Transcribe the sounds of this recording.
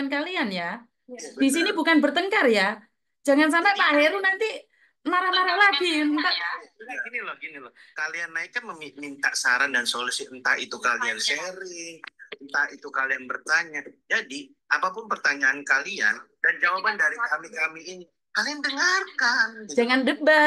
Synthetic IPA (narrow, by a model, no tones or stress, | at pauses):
ankalianja | d̥is̬inibukanbərt̪əŋkarja | d͡ʒa̤ŋans̬anapaɦeɾunant̪i | naɾahmaɾahlaɡiŋkaɡinilɔhɡinilɔ | kalianːaikːanməmimint̪a̰ʔsaɾandansolusiənt̪aḭt̪ukalianseɾɪŋənt̪ait̪ukalianbərt̪aɲad͡ʒadi | ʔapapʊnpərt̪aɲaːnkalia̰nd̥and͡ʒawapandaɾikamikamiːni | kaliandəŋarkand͡ʒaŋandəba